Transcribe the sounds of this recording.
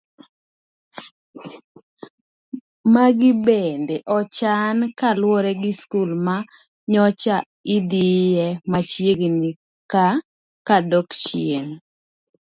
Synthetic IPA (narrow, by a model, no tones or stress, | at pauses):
maɡɪbendeʔɔt͡ʃankalwɔɾɛɡɪskulma | ɲɔt͡ʃa | ɪd̪ɪjɛmat͡ʃjeɡni | ka | kadɔkt͡ʃjen